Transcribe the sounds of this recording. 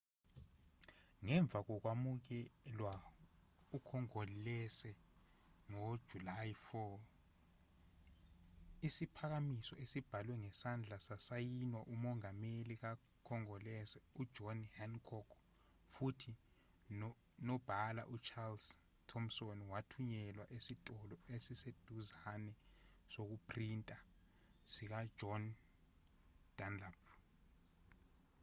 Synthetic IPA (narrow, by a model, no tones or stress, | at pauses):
ŋɛɱb̪vʱak̬ɔk̬wamuk̬ɛlwa | ukʰɔŋɔllɛsɛ | no̥ʒ̥ʱulajfɔ | isipʰak̬amisɔʔesib̥ʱalwɛŋɛsand͡ɮʱasasajinwaʔumɔŋamelik̬a | kʰɔŋɔlɛsɛud̥ʒ̥ʱɔnhɛnkʰɔkʰ | futʰi | nɔb̥ʱala̰ʔut͡ʃʰals | tʰɔmsonwatʰuɲɛlwaʔesitʼɔlɔesised̥ʱuzanɛsok̬upʰrintʼa | sik̬ḁd͡ʒʱɔn | d̥ʱanlap̚ʰ